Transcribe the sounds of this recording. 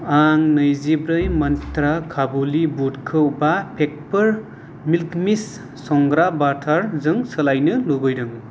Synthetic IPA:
aŋnɯjzibɾɯjmʌnt̪ɾakʰabulibutkʰɯwbapʰek̚pɯɾ | milkmisː | ɔŋɡɾabatʰaɾzɯŋsɯlajnɯlubɯjɾɯŋ

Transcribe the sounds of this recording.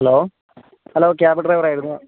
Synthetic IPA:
hɐloː | hɐloːk̬ːeaːbiʈreʋɐɾaːjiɾunːu

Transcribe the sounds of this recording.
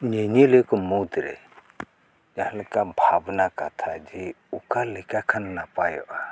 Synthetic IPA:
ɲeɲilekɔmut̪ɾɛ̰ | d͡ʒahlkabʱabnakat̪ʰad͡ʒi | ukalɛkakʰannapajɔ̰ʔa

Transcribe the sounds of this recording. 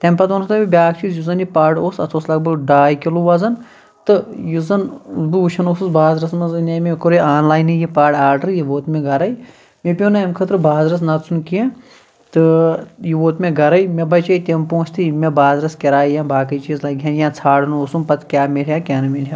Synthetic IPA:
t̪empɐt̪oːnst̪ɐbibʲaːkʰt͡ʃiːzjuzɐnipaːɖoːsɐt̪ʰoːslɐɡ̚bɐɡɖaːjkiluʋɐzɐn | t̪ɨjuzɐnzbuuʃʰɐnoːsusbaːzɾɐsmɐzneːmekoɾeaːnlaːjnijipaːɖaːɾɖɐɾjiʋoːt̪mẽɡɐɾɐi | mepʲõːnɐɐmkʰɐt̪ɾbaːzɾɐs̬nɐt̪sʰunkie | t̪ɨjiʋoːt̪mẽɡɐɾɐjmebɐt͡ʃɐit̪empõːt͡ʃʰt̪imebaːzɾɐskɐɾaːijãːbaːkɐit͡ʃiːzlɐɡʲjãnjãːt͡sʰaːɽɐnoːsunpɐt̪kʲaːmelʲjaːkʲaːnɐmelʲjaː

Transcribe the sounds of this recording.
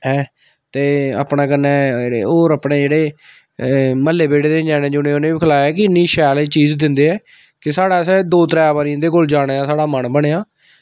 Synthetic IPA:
ɛː | t̪eːa̰ːpnãːkənɛ̃ːeoːɾəpɳeːd͡ʒeːɽeː | məlːeːbeːɽeːd̪eːd͡ʒaːnẽːd͡ʒʊnẽːʊnẽːbikʰəlaːjaːkɪɪnːiːʃɛːleːt͡ʃiːzd̪ɪnd̪eːɛː | kɪsaːɽaːsɛːd̪oːt̪ɾɛːbaɾiːnd̪eːkoːld͡ʒaːɽ̃eːaːsaːɽaːmənbəɽeːaː

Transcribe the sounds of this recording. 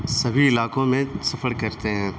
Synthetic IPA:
sɐbʱiɪlaːkõmẽsɐfəɽkɐɾt̪eɦɛ̃ː

